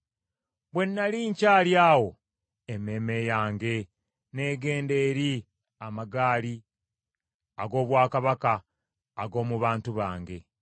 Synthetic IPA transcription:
βwe̞nːaliːɲcaːljaːwo̞ | eme̞ːme̞jaːŋɡe̞ | ne̞ːɡe̞ːnde̞ːɾi | amaɡaːli | aɡo̞ːβwaːkaβakaː | ɡo̞ːmuβaːntuβaːŋɡe̞

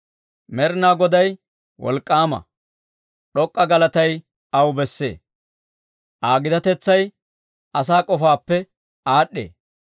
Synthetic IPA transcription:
mɛɾnaːɡɔd̪ɐj | wɔ̰lkʼːaːmɐ̰ | ɗɔkʼːɐɡɐlɐt̪ɐj | ɐwbɛsːḛː | ʔaːɡɪd̪ɐt̪ɛt͡sːɐj | ɐs̬aːkʼɔfaːpːɛ | aːɗːḛː

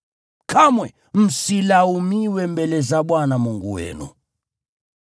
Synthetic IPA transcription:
kʰamwɛ | m̩silaumiwɛmbɛlɛzaɓwanamuŋɡuwɛ̰nṵ

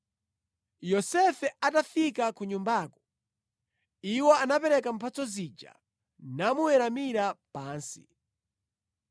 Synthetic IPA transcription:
jɔsɛfɛatafikakuɲumbaːkɔ̥ | iwɔanapɛɾɛkam̩pʰat͡sɔzid͡ʒa̰ | namuwɛɾamiɾapaːnsi̥

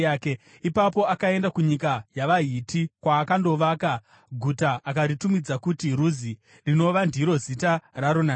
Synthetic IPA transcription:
aːke | ipapo̞akae̞ndakuɲikajaʋaɦitikwaːkando̞ʋaːka | ɡʱutaʔːkaɾitumid͡zakutiruzi | rino̞ʋandʱiɾo̞zitaraɾona

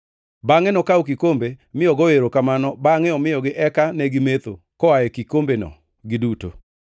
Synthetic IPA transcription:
baŋɛnɔkaukikombemɪɔɡɔeɾokamanɔbaŋɛɔmɪɔɡɪʔɛkanɛɡɪmet̪o | kɔaɛkikombenɔ̰ | ɡɪduto̰

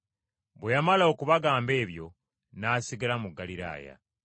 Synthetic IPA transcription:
βwejamalao̞kuβaɡaːmbe̞ːβjo̞̰ | naːsiɡalamuɡːaliɾa̰ːja̰

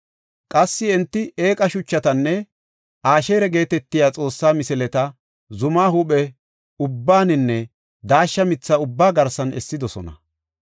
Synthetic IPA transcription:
kʼɐsːɪɛnt̪ːɪeːkʼɐʃʊt͡ʃːɐt̪ɐnːɛ | ʔaːʃeːɾɛɡe̞ːt̪ɛt̪ːɪjaːt͡sʼo̞ːsːaːmɪsɪlɛt̪ɐ | zʊmaːhʊɓɛ | ʊbːaːnɪnːɛ | d̪aːʃːɐmɪt͡sːɐʊbːaːɡɐɾsɐnɛ̰sːɪd̪ɔsɔ̰nɐ̰

